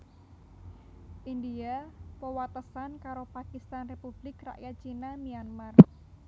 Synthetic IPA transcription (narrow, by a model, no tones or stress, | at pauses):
ʔindiapəwat̪əsankaɾopakist̪anrepub̥lɪkra̰ʔjat̪̚t͡ʃinamijanmar